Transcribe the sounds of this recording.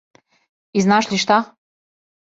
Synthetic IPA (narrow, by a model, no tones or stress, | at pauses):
iznɑʃlʲiʃt̪ɑχ